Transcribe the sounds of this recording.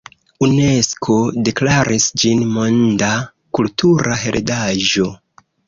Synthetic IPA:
une̞skʰo̞de̞klaɾʔisd͡ʒinmo̞nda | kultʰuɾʔaɦe̞̰ɾʔedaʒo̞

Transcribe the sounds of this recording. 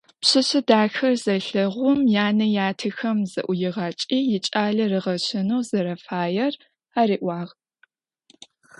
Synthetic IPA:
pɕɨɕɨdaːxɐrzɐɬɐʁʷʊmjaːnɐjaːtʰɨxɐmzɐ̰ʔʷʊjɪʁɑːt͡ʃʼiːjɪt͡ʃʼaːɮɐrɨʁɐɕɪnɐwzɐɾɐfaːjɛr | aːɾiːʔʷɑːʁ

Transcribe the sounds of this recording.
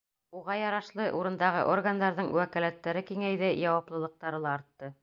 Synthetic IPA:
uʁɑjɑɾɑʃlˠɤʔuɾɤ̆nd̪ɑʁɤ̰ʔorɡand̪ɑɾðɤɴwækæ̆læt̪ːæɾɘkiŋæjðɘjɑwɑplˠɤ̆lˠɤ̆q̚t̪ɑɾɤlˠɑ̆ːɾt̪ːɤ

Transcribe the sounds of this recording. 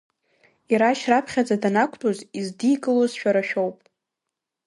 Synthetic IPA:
iɾaʃrapʰχʲad͡zadanakʷʰtʼozizdiɡɨlozʃᶣaɾaʃᶣo̞wpʼ

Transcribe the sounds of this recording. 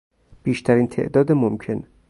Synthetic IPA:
b̥iːʃt̪ʰæɾiːnt̪ʰe̞̰ʔd̪ɒːd̪emomcʰe̞n

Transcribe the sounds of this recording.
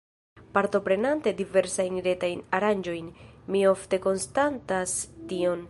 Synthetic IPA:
paɾto̞pɾe̞nante̞dive̞ɾsajnɾe̞tajnaɾand͡ʒo̞jnmio̞fte̞ko̞nstantastio̞n

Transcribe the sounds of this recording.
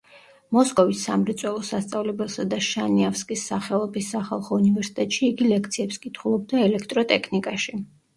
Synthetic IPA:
mɔskʼɔvisːamɾɛt̪sʼwɛlˠɔsast̪sʼavlɛbɛlˠsad̪aʃaniafskʼisːaχɛɔbisːaχa̰lˠχɔunivɛɾsi̥t̪ʼɛt̪ʼʃiːɡilɛk̚ʰt̪sʰiɛpskʼit̪ʰχulˠɔb̚d̪aɛlɛkʰt̪ʼɾɔt̪ʼɛkʰnikʼaʃi

